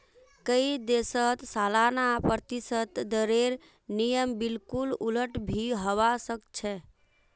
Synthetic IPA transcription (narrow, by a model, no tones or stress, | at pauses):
kəid̪esət̪salanapɾət̪isət̪d̪əɾeɾ | nijəmbilkululəʈbʱiɦəʋasəkt͡ʃʰɛ